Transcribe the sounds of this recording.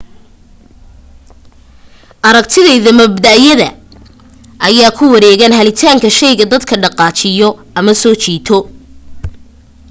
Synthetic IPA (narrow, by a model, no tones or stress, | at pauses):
ʔɐɾɐk̚t̪ʰɪðɐiðɐmɐbd̪ɐʔjɐðɐ̰ | ʔɐjaːkʰʊwɐɾɛːɣɐnhɐlɪt̪ʰaːŋkʰɐʃɛjɣɐd̪ɐd̪kʰɐɖɑqɑːt͡ʃɪjɔʔɐmɐsɔːt͡ʃiːt̪ʰɔ